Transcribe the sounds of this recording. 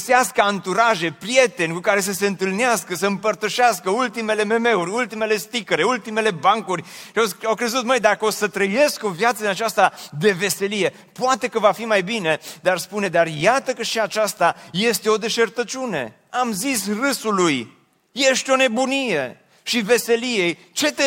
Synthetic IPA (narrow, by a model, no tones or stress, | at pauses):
seaskəant̪uɾaʒe̞pɾije̞t̪e̞nʲkukaɾe̞s̬əse̞ɨnt̪ɨlneaskəsəɨmpərt̪əʃeaskəult̪ime̞le̞me̞me̞uɾʲult̪ime̞le̞st̪ikəɾeult̪ime̞le̞baŋkurʲʃaawkɾe̞zut̪məjd̪akəosət̪ɾəje̞sko̞vjat̪səinat͡ʃast̪ad̪e̞ve̞se̞lije̞ | poat̪e̞kəvafimajbine̞d̪arspune̞d̪arjat̪əkəʃiat͡ʃast̪aje̞st̪e̞o̞d̪e̞ʃe̞rt̪ət͡ʃune̞̰ | amzisrɨsuluj | je̞ʃt̪ʲo̞ne̞bunije̞ | ʃive̞se̞lijej | t͡ʃe̞t̪e